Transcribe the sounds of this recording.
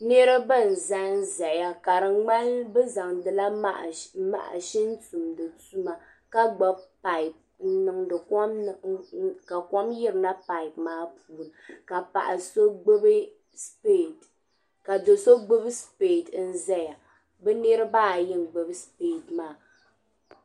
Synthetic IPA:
ne˦ɾɨ˦bɨ˦˨n̩˨za˦n˦za˨ja˨ka˨ɾɨ˨ŋ͡ma˦lbɨ˦za˨ŋdɨ˨la˦ʔma̰˨ʔa̰˨ʃi˦n̩˦tu˨mdɨ˨tu˦ma˨ | ka˦ɡ͡ba˦bpa˨i˨p̚ | n̩˦nɨ˨ŋdɨ˨km˨ka˨kɔ˦mjɪ˦ɾɨ˨na˦pa˨i˨pmaː˦puː˨ɾɨ˨ka˨pa̰˨ʔa˨so˦ɡ͡bɨ˦bɨ˦ | spe˦˨t | ka˨do˨so˦ɡ͡bɨ˦bɨ˦speː˨tn̩˦zɛ˦ja˨ | bɛ˦nɛ˦ɾɨ˦baː˦˨jɪ˦ŋ˨ɡ͡bɨ˦bɨ˦speː˦˨tmaː˨˦˨

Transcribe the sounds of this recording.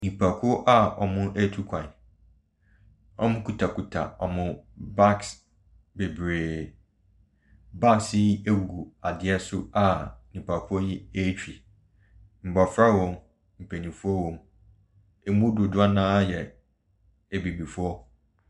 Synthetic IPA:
nĩ˨pʰa˨kʰʊ˦ɔ˦ʔa˦ɔ̰˨mʊ̃˦ʔæ˦tʰu˦kʷʰã˨n˨ | ɔ˨mʊ̃˦kʰu˨tʰa˨kʰu˨tʰa̰˨ɔ˨mʊ̃˦ba˦ks | be˨bɾeː˨ | ba˦ksɪ˦e˦wu˨ɡu˨a˨dɪ˨ɛ˦sʊ˦a˨nĩ˨pʰa˨kʰʊ˦ɔ˦ji˦e˦t͡ɕᶣi˨ | m̩˨bɔ˨fɾa˦wõ˨m | m̩˨pʰe˨nĩ˨fu˦ɔ˦wõ˦m | e˨mũ˦dʊ˨dʊ˦a˦nãː˦jɛ˨ | e˨bi˨bi˨fɔ˦

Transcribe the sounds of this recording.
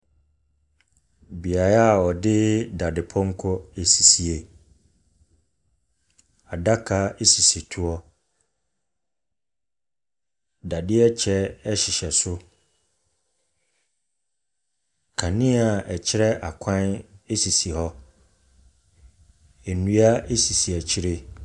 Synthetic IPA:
bi˨a˨ɾa˦˨ɔ˨dɪ˦da˨dɪ˨pʰɔ˦ŋ̩˦kʰɔ˦e˨si˨si˨e˨ | a˨da˦kʰa˦e˦si˨si˨tʰu˨ɔ˦ | da˨dɪ˦ɛ˦t͡ɕʰɛ˦ɛ˦ɕɪ˨ɕɛ˨sʊ˦ | kʰã˨nĩ˦a˨ɛ˨t͡ɕʰɪ˦ɾɛ˦ʔa˨kʷʰã˦ne˦si˨si˨hɔ˦ | e˨nũ˦a˦e˦si˨si˨a˨t͡ɕʰi˦ɾe˦

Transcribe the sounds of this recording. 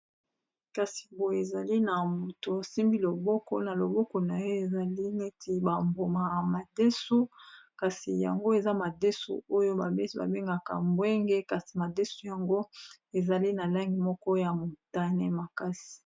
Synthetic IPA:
ka˨si̥˨bo˨e˨za˨li˦na˨mo˨to˨a˨si˦mbi˦lo˨bɔ˦kɔ̰˦na˨lo˨bɔ˦kɔ˨na˨jo˦e˨za˨li˦ne˦tʰi˦ba˨mbo˨ma˨a˨ma˨de˦so˦ka˨si˨ja̰˨ŋɡo˦e˨za˦ma˨de˦sṵ˨o˦jo˦ba˨be˦sba̰˨be˦ŋɡa˨ka̰˨mbwe˦ŋɡe˦ka˨si̥˨ma˨de˦su˨ja˨ŋɡo˦e˨za˨li˦na˨la˦ŋɡi˨mɔ˦kɔ˦ja˨mo˨ta˦nɛ˦ma˨ka˦si̥˨

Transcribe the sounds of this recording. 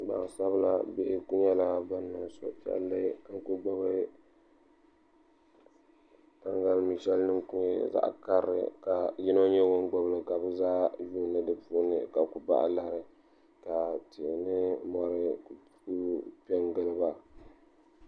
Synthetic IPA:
ɡ͡ba̰˨ŋ˨sa˦bla̰˦be˦ʔɪ˦ku˦ɲɛ˦la˦ba˦nːa˨so̰˨pɛ̰˨˦lːɨ˦ŋ̩˦ku˦ɡ͡bɔ˦βa˦ | ka˦ŋɡa˦lmi˨ʃɛ˦lnɨ˦ŋku˦ɲɛ̰˦za̰˦˨ʔka˦ɾːɨ̰˨ka˨ji˦no˦ɲɛ˦wʊ˦nɡ͡bɔ˦blɨ˨ka˨bɨ˦zaː˦juː˦nɨ˦dɨ˦pu˦nɨ̰˨ka˨ku˨ba̰˦ʔla˦hɾɨ˨ | ka˨ti˨nɨ˦mɔ˦ɾɨ˦˨ | u˦pɛ˦ŋɡɨ˦lɨ˦ba˨

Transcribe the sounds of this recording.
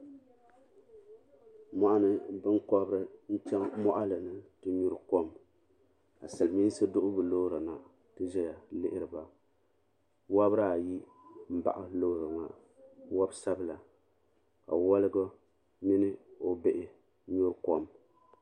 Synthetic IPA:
mɔ˦ʔa˦nɨ˦bɨ˦ŋkɔ˦bɾɨ˦n̩˦t͡ʃɛ˦ŋmɔ˦ʔa˦lɨ˨nɨ˦tɨ˦ɲu˦ɾko˦m | a˨sa˨lmi˦n˦sɨ˦dʊ˦ʔʊ˦bɨ˨lo˦ɾɨ˨na˨ | tɨ˦ʒɛ˦ja˨lɪ˦ʔɪ˦ɾɨ˨ba˨ | wa˦bɾa˦a˨ji˦ | m̩˦ba̰˨ʔa˦lo˦ɾɨ˨ŋa˨ | wa˦bsa˦bla˨ | ka̰˨wɔ˦lɨ˦ɡo˦ | mi˦nɨ˦o˦bɛ˦˨ʔɪ˦ | ɲʊ˦ɾkɔ˦m

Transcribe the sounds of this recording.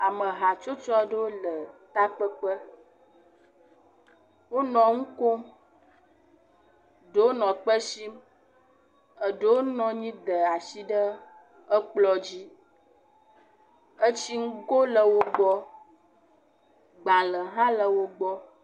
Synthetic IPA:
a˨mə̃˨ɦa˨t͡ʃo˦t͡ʃɔ˦ə˦˨ɖə˦wo˦lə˨t̪a˦k͡pə˦k͡pə˦ | wo˦nɔ̃˨ŋũ˦ko˦m | ɖə˨wo˦nɔ̃˨k͡pə˦si˦m | ə˨ɖə˦wo˦nɔ̃˨ɲĩ˦d̪ə˨a˨si˦ɖə˦ | ə˦k͡plɔ˦d͡ʑi˦ | ə˦t͡ɕi˦ŋ̩˦ɡo˦lə˨wo˦ɡ͡bɔ˦ | ɡ͡bã˨lə˨ɦã˦lə˨wo˦ɡ͡bɔ˦

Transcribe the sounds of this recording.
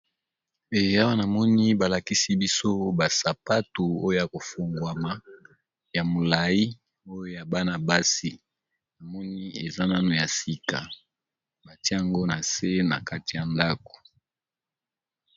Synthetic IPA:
e˨ja˦wa˦na˨mɔ˦ni˦ba˨la˨ki˦si˦bi˦so˦ba˨sa˨pa˦tu˨o˦jo˦ja˨ko˨fo˨ŋɡwa˨ma˨ | ja˨mo˨la˨ji˦ | o˦jo˦ja˨ba˦na˨ba˦si˦ | na˨mɔ˦ni˦e˨za˦na˦no˨ja˨si˨ka̰˨ | ba˨tje˦a˨ŋɡo˦na˨se˦na̰˨ka˦ti˨ja˨nda˦ko̥˨

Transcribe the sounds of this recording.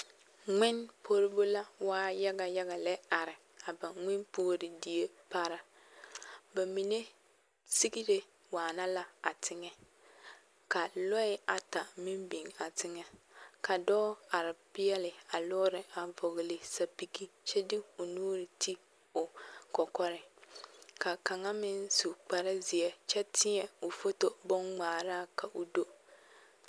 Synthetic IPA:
ŋɪ˦npo˦ɾɪ˦bo˦la˦waː˦ja˦ɡa˨ja˦ɡa˨lɛ˦a˨ɾɪ˨ | a˨ba˨ŋɪ˦npoː˦ɾɪ˨di˦je˦pa˦ɾa˦ | ba˨mi˨ne˦ | si˦ɡi˦ɾe˦ | waː˨na˦la˦a˨tʰɪ˦ŋɛ˦ | ka˨lɔ˦ɪ˦a˨ta˨mi˦mbi˨ŋa˨tɪ˦ŋɛ˦kʰa˨dɔː˦a˨ɾɪ˨pɪ˦ɛ˦lɪ˨a˨lʊː˦ɾɪ˨a˨vɔ˨ɣɪ˨lɪ˨sa˨pi˨ki˦t͡ʃɛ˦dɪ˦ʊ˨nuː˦ɾɪ˨ti˦ | ʊ˨kɔ˨kɔ˦ɾɪ˨ | ka˨ka˨ŋa˦mɪ˦nsu˨k͡pa˨ɾɪ˦zɪ˨ɛ˨t͡ʃɛ˦tʰɪ˦ɲɛ˨o˨fo˦to˦bɔ˦ŋŋ͡maː˨ɾaː˦˨kʰa˨ʔo˨do˦

